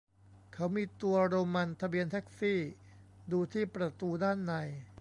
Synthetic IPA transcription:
kʰa˦˥wmiː˧t̪u˧ɐɾoː˧ma˧nt̪ʰa˧bi˧ənt̪ʰɛ˦˥k̚siː˥˩ | duː˧t̪ʰiː˥˩pɾa˧t̪uː˧daː˥˩nːa˧j

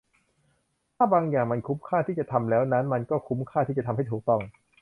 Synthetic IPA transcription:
t̪ʰaː˥˩baː˧ŋjaː˨˩ŋma˧nkʰu˦˥mkʰaː˥˩t̪ʰiː˥˩t͡ɕa˨˩t̪ʰa˧mlɛː˦˥wna˦˥nma˧nkɔː˥˩kʰu˦˥mkʰaː˥˩t̪ʰiː˥˩t͡ɕa˨˩t̪ʰa˧mɦa˥˩j̪t̪ʰuː˨˩k̚t̪ɔ˥˩ŋ

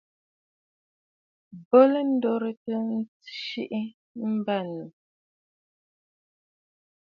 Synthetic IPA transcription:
bɔ˦lə˦n̩˦dɔ˦ɾə˦tə˦n̩˦t͡sʃi˦ʔi˦ | m̩˦ba˦˨nu˨

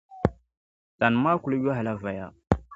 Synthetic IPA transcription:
ta˨n˨ma˦ku˨lu˦ja˦ɦa˨la˦va˨ja̰˨

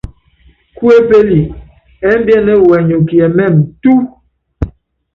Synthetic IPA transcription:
ku˦e˦pe˦li˨ | ɛ˦m̩˦bjɛ˦nɛ˦wɛ˨ɲu˨ki˨ɛ˨mɛ˦˨m̩˨tu˦

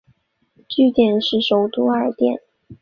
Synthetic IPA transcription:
t͡ɕy˥˧t̪jɛ˥˩nʂɻ̩˥˩ʂo˨˩ʊt̪u˥ə˞˨˧t̪jɛ̰˥˩n

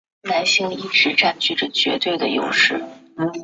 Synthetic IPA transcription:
na˧˥nɕi˥˧ŋi˥˩ʈ͡ʂɻ̩˧˥ʈ͡ʂa˥˩nt͡ɕy˥˩ʈ͡ʂə˩t͡ɕɥɛ̰˧˥t̪we˥˩ɪd̪ə˩jo̰˨˧˩ʊʂɻ̩˥˩˧

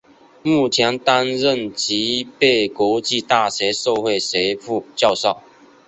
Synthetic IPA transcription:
mu˥˩t͡ɕʰjɛ˧˦nt̪a˦nɻə˥˨nt͡ɕi˨˥˦pe˥˨ɪkwɔ˧˥t͡ɕi˥˧t̪a˥˩ɕe˨˧˥so˥˧ʊxwe˥˨ɪse˧˥ɪfu˥˧t͡ɕjɑ˥˧ʊsɑ˥˨ʊ

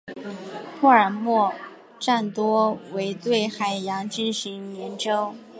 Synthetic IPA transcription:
pʰɔ˥˩ə˞˨˩mwɔ˥˩ | ʈ͡ʂa˥˩nt̪wɔ˥we˧˥ɪt̪we˥˩ɪxa˨˩ɪjɑ˧˥ŋʈ͡ʂi˥nɕi˧˥ŋnjɛ˧˥nʈ͡ʂo˥ʊ

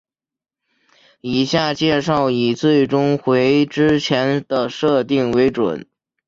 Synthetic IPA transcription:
i˨˩ɕja˥˧t͡ɕjɛ˥˧ʂɑ˥˩ʊi˨˩t͡swe˥˩ɪʈ͡ʂʊ˥ŋxwe˧˥ɪʈ͡ʂɻ̩˥t͡ɕʰjɛ˧˥nd̪ə˨ʂɤ˥˧t̪i˥˩ŋwe˧˥ɪʈ͡ʂwə̰˨˩˦n

